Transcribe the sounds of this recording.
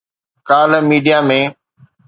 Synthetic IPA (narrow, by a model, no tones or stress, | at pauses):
kaːləmiːɖijamẽː